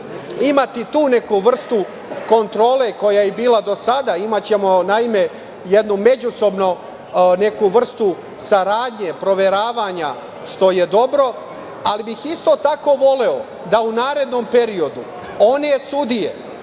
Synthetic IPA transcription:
imat̪it̪uːne̞kuʋr̩st̪u | ko̞nt̪ɾo̞ːle̞ko̞jajebiːlad̪o̞sad̪aimat͡ɕe̞mo̞naime̞ | jed̪nume̞d͡ʑuso̞bno̞ | ne̞kuʋr̩st̪u | saɾaːd̪ɲe̞pɾo̞ʋe̞ɾaːʋaɲa | ʃt̪o̞je̞d̪o̞bɾo̞ | alibixist̪o̞t̪ako̞ːʋo̞le̞o̞ | d̪aunaːɾe̞d̪no̞mpe̞ɾio̞d̪u | o̞ne̞sud̪ijḛ

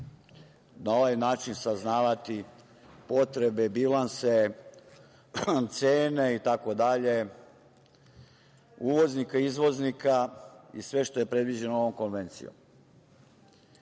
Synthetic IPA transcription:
nao̞ʋajnaːt͡ʃinsaznaːʋat̪i | po̞t̪ɾe̞be̞bilanse | t̪seːne̞it̪ako̞d̪aʎe̞ | uːʋo̞znikaizʋo̞znikaisʋe̞ʃt̪o̞je̞pɾe̞d̪ʋid͡ʑe̞nooo̞mko̞nʋe̞nt̪sḭjo̰m

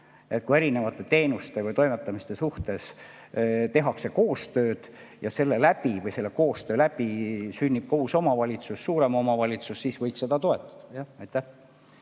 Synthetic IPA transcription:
e̞t̪̚kue̞ɾine̞vɑt̪ːˑe̞t̪e̞ːnust̪e̞vɤjt̪o̞jmet̪ːˑɑmist̪e̞suht̪e̞s | t̪e̞ɦɑkse̞ko̞ːst̪ø̞ːd̪̥ | jɑse̞lːe̞læbivɤjse̞lːeko̞ːst̪ø̞ːlæb̥isynʲːib̥̚kohuso̞mɑvɑlʲit̪susːuːɾe̞mo̞mɑvɑlʲit̪susːisvɤjkse̞d̪̥ɑt̪o̞e̞t̪ːˑɑ̥d̪̥ɑ̥jɑɑjt̪ːˑæh

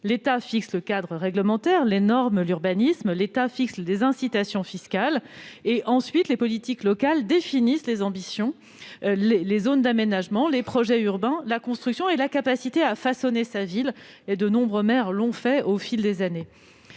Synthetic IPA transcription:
let̪afiksləkad̪ʁəʁɛɡləmɑ̃t̪ɛʁlenɔʁmlyʁbanismlet̪afikslezɛ̃sit̪asjɔ̃fiskaleʔɑ̃sɥit̪lepɔlit̪iklɔkald̪efinislezɑ̃bisjɔ̃ | lelezond̪amenaʒmɑ̃lepχɔʒɛyʁbɛ̃lakɔ̃st̪χyksjɔ̃elakapasit̪eafasɔnesavil | ed̪ənɔ̃bʁəmɛʁlɔ̃fɛofild̪ezane

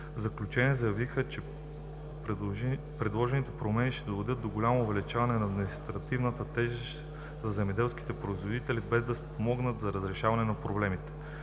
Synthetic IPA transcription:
vzɐklʲut͡ʃɛniɛzɐjɐvixət͡ʃɛ | p | pɾɛd̪lˠɔʒɛnit̪ɛpɾomɛniʃt̪ɛd̪ovɛd̪ɤt̪̚d̪oɡolʲamoːvɛlit͡ʃavɐnɛnɐːd̪minist̪ɾɐt̪ivnət̪ət̪ɛʒəʃ | zɐzɛmɛd̪ɛlˠski̥t̪ɛpɾoizvod̪it̪ɛlibɛzd̪ɐspomɔɡnət̪zɐɾəzɾɛʃavɐnɛnɐpɾoblɛmit̪ɛ̥

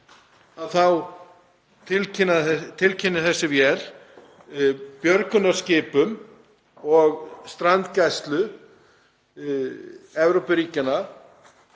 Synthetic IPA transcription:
aðθaw | t̪ʰɪlcɪnːat̪ʰɪlcʰɪnːɪθɛsːɪvjɛl | pjœɾkʏnaɾ̥scɪːpʏm | ɔɣst̪ɾant̪cajst̪lʏ | ɛvɾowpʏɾiːcɪnːa

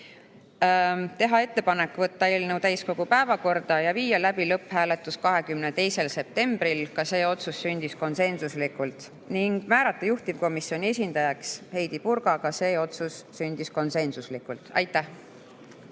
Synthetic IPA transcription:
t̪e̞ɦɑe̞t̪ːe̞pɑne̞kːˑvɤt̪ːɑelnewt̪æjsko̞ɡ̥upæevɑko̞rd̪̥ɑjɑviːjɑlæb̥ilɤpːhæːle̞t̪ːˑuskɑɦe̞kymnet̪e̞jse̞lse̞p̚t̪e̞mb̥ɾilkɑse̞ːo̞t̪susːynʲd̪̥isko̞nse̞nsuslikːˑult̪ˑ | niŋɡ̥mæːɾɑt̪ˑːɑjuht̪ivko̞misio̞nʲie̞sʲind̪̥ɑjɑkshe̞jd̪̥ipuɾɡ̥ɑkɑse̞ːo̞t̪susːynʲd̪̥isko̞nse̞nsuslikːˑult̪ˑɑ̰jt̪ˑːæh

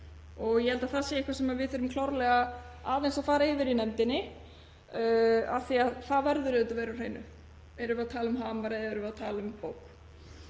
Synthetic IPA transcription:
ɔɣjɛhɛlt̪aθaseːihkvasɛmaðvɪðθʏɾʏmkʰlawɾlɛɣa | aːðejnsaðfaːɾaɪvɪɾinɛmt̪ɪnːɪ | aθiaðθaðvɛɾðʏɾɪɛt̪avejɾawr̥ejnʏ̰ | ɛɾʏvɛɾat̪ʰaːlʏmɦaːmaɾɪɛɾʏvɛɾat̪ʰaːlʏmpowk

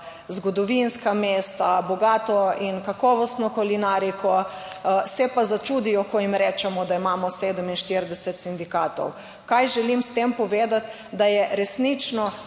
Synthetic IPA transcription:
zɡɔd̪ɔʋinskameːst̪abɔɡaːt̪ɔinkakɔʋɔst̪nɔkɔlinaːɾikʰɔ | sɛpazat͡ʃuːd̪ijɔkɔimɾɛːt͡ʃɛmɔd̪aimaːmɔseːd̪əminʃt̪iɾd̪ɛsɛt̪sind̪ikaːt̪ɔ̰w | kajʒɛlimst̪empɔʋeːd̪at̪ | d̪ajɛɾɛsnit͡ʃnɔ

